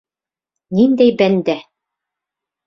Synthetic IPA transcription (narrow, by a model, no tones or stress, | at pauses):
nind̪æjbænd̪æ